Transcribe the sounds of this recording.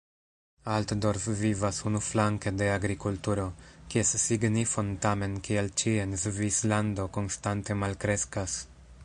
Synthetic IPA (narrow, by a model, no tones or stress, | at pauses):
altdo̞ɾfvivasunuflaŋke̞de̞aɡɾikultuɾo̞kiesːiɡnifo̞ntame̞nkielt͡ʃienzvislando̞ko̞nstante̞malkɾe̞skas